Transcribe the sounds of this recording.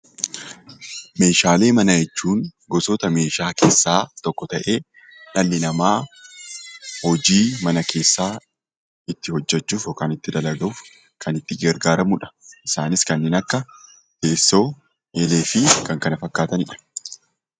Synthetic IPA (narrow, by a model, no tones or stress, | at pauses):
me̞ːʃaːle̞ːmɐnɐjɛt͡ʃːuːnɡɔsɔt̪ɐme̞ːʃaːkeːsːaːt̪ɔkːɔt̪ɐʔe̞ː | ᶑɐlːɪnɐmaː | hɔd͡ʒiːmɐnɐkʰe̞ːsːaː | ɪt̪ːɪhɔd͡ʒːɛt͡ʃːuːfjɔkaːnɪt̪ːɪd̪ɐlɐɡɐʊːf | kʰɐnɪt̪ːɪɡɛɾɡaːɾɐmʊᶑɐ̥ʔɪsaːnɪskɐnːeːnɐkːɐ | ke̞ːsːo̞ː | ʔele̞ːfɪkɐŋkɐnɐfɐkːaːt̪ɐnɪᶑɐ̥